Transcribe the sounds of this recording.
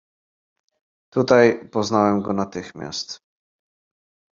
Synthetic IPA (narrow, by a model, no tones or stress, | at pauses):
t̪ut̪ajpɔznawɛmɡɔnat̪ɘxmʲja̰st̪